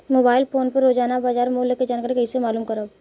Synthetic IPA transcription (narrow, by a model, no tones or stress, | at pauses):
moːbaːɪlpoːnpəɾːoːd͡ʒaːnabaːd͡ʒaːɾmuleked͡ʒaːnkaːɾkɐɦisemaːluːmkɐɾo